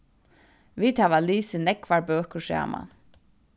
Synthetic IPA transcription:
ʋiːt̪hæːʋaliːsɪnɛkʋaɹbøːkəɹsæ̰ːma̰n

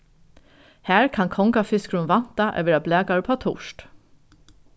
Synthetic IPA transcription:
hæːɹkʰɑnkʰɔŋkafɪskɾʊnʋɑn̥t̪ɑʔɛ̰ʋɛɾɑblæːɡɑɹpʰɑːt̪ʰʊ̰ʃt

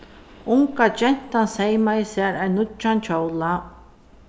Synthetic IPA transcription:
ʊŋkad͡ʒɛn̥t̪ansejmajsɛɾæɹnʊt͡ʃant͡ʃʰowla

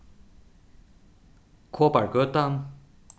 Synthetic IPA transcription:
kʰopaɹkøt̪am

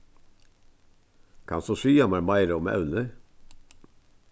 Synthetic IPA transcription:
kʰɑ̰nsoʃyːɑmɑmɑɪɾəɔmɑ̰ʉnə

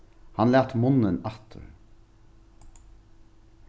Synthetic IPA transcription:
hɑnlæːt̪mʊnənæt̪ʰə̰ɹ

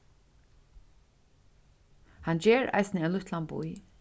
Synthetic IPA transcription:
hand͡ʒeːɹa̰jsnəɛnlʊht̪lanbṵj

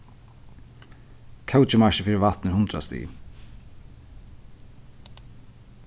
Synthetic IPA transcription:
kʰɛwt͡ʃɪmaʃɪfiːɾɪvaht̪nɪɾhʊnt̪ɾa̰st̪ḭ

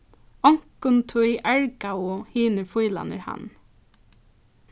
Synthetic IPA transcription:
ɔŋkʊnt̪ʰʊiʔæɹɡaʊhiːnəɹfuːlɑ̰nə̰ɹhɑ̰n

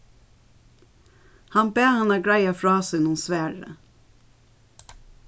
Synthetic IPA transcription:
hɑnbeːhɑnæːɡɹæɪɑfɹɑːsɛnunsʋæːɹə̰

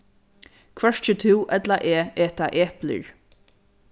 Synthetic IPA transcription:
kʰvɛɹt͡ʃət̪ʰɪwʔɛt̪laʔɛːɛːt̪aʔɛːplə̰ɹ

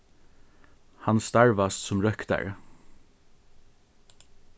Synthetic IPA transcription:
hanst̪aɹʋast̪sʊmɾœkt̪a̰ɹ

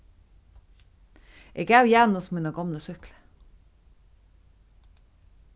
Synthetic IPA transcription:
ʔeɡæːʉjæːnosmiːnɑɡɑmləsʏklə̥

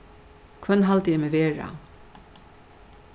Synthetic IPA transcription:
kʰœnɦalt̪əjɛmeveːɹa̰

